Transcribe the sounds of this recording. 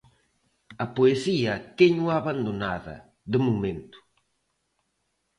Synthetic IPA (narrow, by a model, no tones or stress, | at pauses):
ɐpoesiɐt̪eɲuaβand̪onaðɐ̰ | ðɪmumẽnt̪ʊ̥